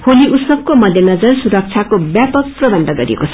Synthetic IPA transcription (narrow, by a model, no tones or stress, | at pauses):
holiʔusʌb̚komʌd̪ʱjʌnʌd͡zʌrsuɾʌk̚t͡sʰakobjapʌk̚prʌbʌnd̪ʱʌɡʌɾḭḛkot͡sʰʌ̥